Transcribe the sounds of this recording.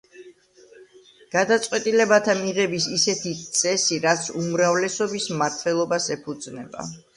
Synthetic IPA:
ɡ̥ad̪at̪sʼqʼwɛt̪ʼilɛbat̪ʰamiʁɛbisisɛt̪ʰit̪sʼɛsiɾat̪sʰumɾavlɛsɔbismaɾt̪ʰwɛlˠɔbasɛpʰud̪znɛba̰

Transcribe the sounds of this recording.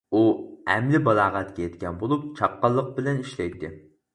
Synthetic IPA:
uɛ̰mlɪbɑlˠɑːʁæt̪kʲɛjɛt̪kʲɛnbolˠup̚t͡ʃʰɑp̚qɑlˠːəq̚bɪlɛniʃlɛjt̪ɪ

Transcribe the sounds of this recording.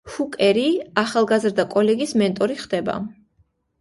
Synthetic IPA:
hukʼɛɾiaχalˠɡazɾd̪akʼɔlɛɡismɛnt̪ʼɔɾiχd̪ɛba̰

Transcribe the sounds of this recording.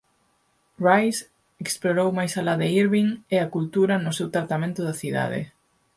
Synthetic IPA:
rajs | eksploɾowmajsalaðɪiɾβiŋeakult̪uɾɐnʊsewt̪ɾat̪amẽnt̪ʊðɐθiða̰ðɪ̰

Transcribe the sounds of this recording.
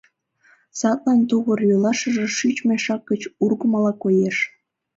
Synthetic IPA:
sɑt̪lɑnt̪uɣərjolɑʃə̆ʒĕʃyt͡ɕmeʃɑk̚ɡət͡ɕurɣəmɑlɑkojeʃ

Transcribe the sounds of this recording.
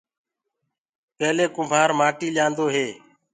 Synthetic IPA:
pɛːleːkʊmbʱaːɾmaːʈiːlãːnd̪oːɦeː

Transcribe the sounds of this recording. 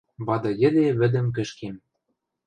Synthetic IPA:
βɑd̪ɤ̆jɘ̆d̪eβɘ̆d̪ɘ̆mk̬ɘ̆ʃkem

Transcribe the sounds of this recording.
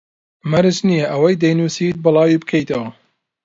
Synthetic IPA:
mɐɾɨt͡ʃnijɐʔɐwɐjd̪ɐjnuːsiːt̪̚bɨlˠɑːwiːbɨkʰɐjt̪ɐwɐ

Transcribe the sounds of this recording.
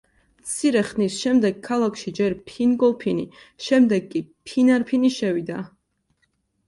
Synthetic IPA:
mt̪sʰiɾɛχnisʃɛmd̪ɛɡkʰːalˠakʰʃid͡ʒɛɾpʰinɡɔlˠpʰini | ʃɛmd̪ɛɡːipʰinaɾpʰiniʃɛvid̪a

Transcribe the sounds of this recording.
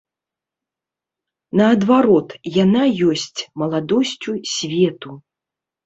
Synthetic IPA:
nɐːd̪vaɾɔt̪janajɔsʲt͡sʲmɐlˠad̪ɔsʲt͡sʲusʲvʲɛt̪u

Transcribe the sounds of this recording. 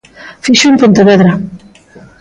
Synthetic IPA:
fiʃumpont̪eβeðɾa

